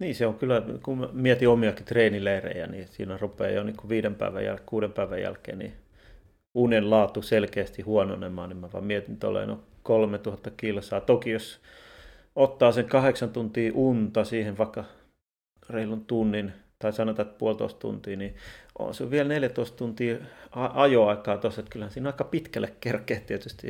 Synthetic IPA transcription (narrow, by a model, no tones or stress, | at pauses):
niːseoŋkylːækumiet̪iomiɑkit̪reːnileirḛjæ̰nisḭːnærupḛːjonikuʋiːdempæ̰iʋæ̰jæ̰lkuːɾempæiʋæjæ̰lkḛːnḭ | unenlɑːt̪uselkeːst̪ihuono̰nḛmmɑːnimɑʋʋɑ̰mmiet̪int̪o̰lːḛno̰ | kolmet̪uhɑt̪ːɑkilsɑːt̪okijos | ot̪ːɑːseŋkɑheksɑnt̪unt̪iːʔunt̪ɑsiːhenʋɑikːɑ | reilunt̪unːint̪ɑisɑnot̪ɑt̪puolt̪o̰ist̪t̪ṵnt̪iːniʔo̰nsulʋielneljæt̪oist̪t̪unt̪iːɑɑjoɑikɑːt̪oset̪kylhænsiːnɑikɑpit̪kælːˑekkerkeːt̪iet̪yst̪ḭ